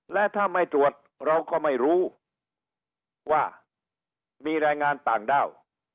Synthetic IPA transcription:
lɛ˦˥t̪ʰaː˥˩ma˥˩jt̪ɾu˨˩ət̪̚ | ɾa˧wkɔː˥˩ma˥˩jɾuː˦˥ | waː˥˩ | miː˧ɾɛː˧jŋaː˧nt̪aː˨˩ŋdaː˥˩w

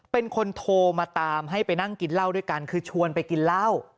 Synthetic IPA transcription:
pe˧nkʰo˧nt̪ʰoː˧maː˧t̪aː˧mɦa˥˩jpa˧jna˥˩ŋki˧nlaː˥˩wdu˥˩ə˨jka˧nkʰɯː˧t͡ɕʰu˧ənpa˧jki˧nlaː˥˩w

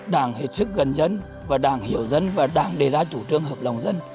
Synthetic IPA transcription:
ɗaː˧˩ŋhe˨˩t̚sɨ˦˥k̚ɣə˨˩nzə˧n | vaː˨˩ɗaː˧˩ŋhi˧˩əwzə˧nvaː˨˩ɗaː˧˩ŋɗe˨˩zaː˧t͡ɕu˧˩t͡ɕɨ˧əŋɦəː˨˩p̚la˨˩wŋ͡mzə˧n

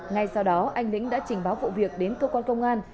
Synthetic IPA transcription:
ŋa˧˩jsa˧wɗɔ˨˦ʔa˧jŋ̟lḭ˧˥ŋ̟ɗa̰ː˧˥t͡ɕï˨˩ŋ̟ɓaː˨˦wvṵ˧˨vi˨˩ək̚ɗe˨˦nt̪ə˧kwaː˧nkə˧wŋ͡mʔaː˧n

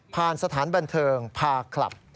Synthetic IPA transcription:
pʰaː˧nsa˧t̪ʰaː˩˦nba˧nt̪ʰɤː˧ŋpʰaː˧kʰla̰˨˩p̚

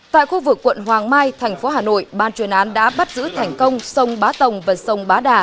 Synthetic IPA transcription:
t̪a̰ː˧˨jxu˧vɨ˨˩kːwə̰˧˨nɦwaː˨˩ŋmaː˧jt̪ʰɛ˨˩jŋ̟fo˨˦ɦaː˨˩no̰˧˨jɓaː˧nt͡ɕwi˨˩ənʔaː˨˦nɗa̰ː˧˥ɓa˦˥t̚zɨ̰˧˥t̪ʰɛ˨˩jŋ̟kə˧wŋ͡msə˧wŋ͡mɓaː˨˦t̪ə˨˩wŋ͡mvaː˨˩sə˧wŋ͡mɓaː˨˦ɗaː˨˩

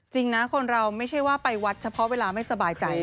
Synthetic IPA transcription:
t͡ɕi˧ŋna˦˥kʰo˧nɾa˧wma˥˩jt͡ɕʰa˥˩jwaː˥˩pa˧jwa˦˥t̪̚t͡ɕʰa˧pʰɔ˦˥ʔweː˧laː˧ma˥˩jsa˧baː˧jt͡ɕa˧j

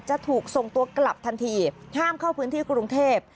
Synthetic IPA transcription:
t͡ɕa˨˩t̪ʰuː˨˩k̚so˨˩ŋt̪u˧ɐkla˨˩p̚t̪ʰa˧nt̪ʰiː˧ | haː˥˩mkʰa˥˩wpʰɯː˦˥nt̪ʰiː˥˩kɾu˧ŋt̪ʰeː˥˩p̚

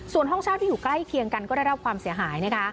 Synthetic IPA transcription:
su˨˩ənɦɔ˥˩ŋt͡ɕʰaː˥˩t̪ʰːiː˥˩juː˨˩kla˥˩jkʰi˧əŋka˧nkɔː˥˩da˥˩jɾa˦˥kʰwaː˧msi˩˦ɐɦaː˩˦jna˦˥kʰa˦˥

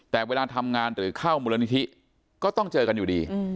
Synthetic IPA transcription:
t̪ɛː˨˩weː˧laː˧t̪ʰa˧mŋaː˧nɾɯː˩˦kʰaː˥˩wmuː˧la˧ni˦˥t̪ʰi˦˥ | kɔː˥˩t̪ɔ˥˩ŋt͡ɕɤː˧ka˧njuː˨˩diː˧

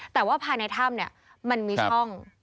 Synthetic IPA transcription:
t̪ɛː˨˩waː˥˩pʰaː˧jna˧jt̪ʰa˥˩mni˥˩ɐ | ma˧nmiː˧t͡ɕʰɔ˥˩ŋ

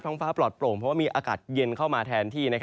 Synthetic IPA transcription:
t̪ʰɔː˧˥ŋfaː˦˥plɔː˨˩t̪̚ploː˨˩mpʰɔ˦˥waː˥˩miː˧ʔaː˧kaː˨˩t̪̚je˧nkʰa˥˩wmaː˧t̪ʰɛː˧nt̪ʰiː˥˩na˦˥kʰ

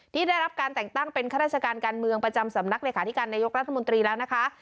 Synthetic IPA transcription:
t̪ʰiː˥˩daː˥˩jɾa˦˥p̚kaː˧nt̪ɛ˨˩ŋt̪a˥˩ŋpe˧nkʰa˥˩ɾaː˥˩t͡ɕa˧kaː˧nkaː˧nmɯ˧əŋpɾa˧t͡ɕa˧msa˩˦mna˦˥k̚leː˧kʰaː˨˦t̪ʰi˦˥kaː˧nːaː˧jo˦˥k̚ɾa˦˥t̪ʰːa˧mo˧nt̪ɾiː˧lɛː˦˥wna˦˥kʰa˦˥ʔ

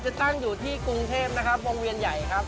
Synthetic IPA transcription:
t͡ɕa˨˩t̪a˥˩ŋjuː˨˩t̪ʰiː˥˩ku˧ŋt̪ʰeː˥˩p̚na˦˥kʰa˦˥p̚ɾoː˧ŋwi˧ənja˨˩jkʰɾa˦˥p̚

